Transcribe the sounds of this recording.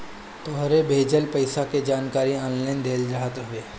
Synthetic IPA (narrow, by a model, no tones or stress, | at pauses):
t̪oɦɾebʱeːd͡ʒəlpɐɪsaked͡ʒaːnkaːɾiɔːnlaːɪnd̪eːlɾəɦət̪ɦʊeː